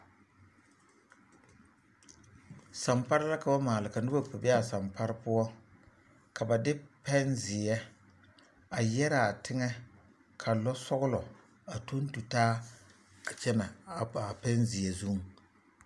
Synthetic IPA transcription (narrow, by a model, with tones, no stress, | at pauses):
sa˨mpa˦ɾɪ˦la˦ka˨ba˦maː˨lɪ˨ka˨nɪ˦ba˦pʊ˨bɛ˦a˨sa˨mpa˦ɾɪ˦pʊ˦ɔ˦ | ka˨ba˨dɪ˦pɛ˦nzɪ˨ɛ˦ | a˨jɛ˦ɾa˨tʰɪ˦ŋɛ˦ | kʰa˨lɔ˦sɔ˦ɣʊ˦lɔ˨ | a˨to˦n˦tu˨taː˦ | a˨t͡ʃɛ˦na˨a˨a˨pɛ˦nzɪ˨ɛ˨zu˦ŋ˨